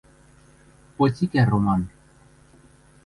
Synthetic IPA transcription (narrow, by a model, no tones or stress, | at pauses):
pot͡sikɛromɑn